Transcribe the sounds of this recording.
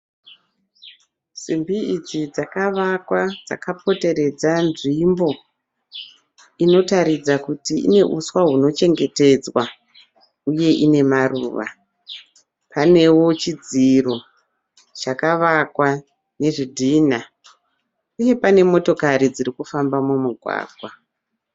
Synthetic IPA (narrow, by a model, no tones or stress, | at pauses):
simbiid͡zid͡zakaʋakwad͡za̰kapʰo̞te̞ɾe̞d͡zanʐimbo̞ | ino̞taɾid͡zakutiḭne̞ʔuswaɦuno̞t͡ʃe̞ŋɡe̞te̞d͡zwa | uje̞ʔine̞maruːʋa̰ | pane̞wo̞t͡ʃid͡ziro̞ | t͡ʃakaʋakwa | ne̞ʐidʱiːna | uje̞pane̞mo̞to̞kaɾid͡ziɾikufambamumuɡʱwa̰ːɡʱwa